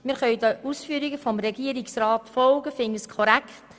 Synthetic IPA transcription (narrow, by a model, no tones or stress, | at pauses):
mɪɾχœʏdəuːsfyːɾiɡəfɔmɾɛɡiəɾɪksrɑːtfɔlɡəfɪŋəskʰɔɾækχt